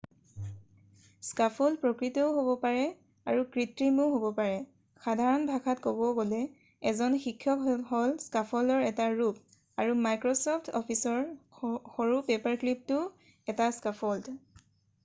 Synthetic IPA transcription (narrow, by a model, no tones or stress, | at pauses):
skapʰɔldpɹɔkɹitɔʊɦobɔpaɹɛ | aɹukɹitɹimuɦobɔpaɹɛ | xadʱaɹɔnbʱakʰatkobɔɡolɛ | ɛzɔnxikʰːjɔɦɔlskapʰɔldɔɹɛtaɹup̚ | aɹumajkɹosɔpʰtʰɔ̰pʰisɔɹxoɹupepaɹklip̚tʊ | ɛtaskapʰɔld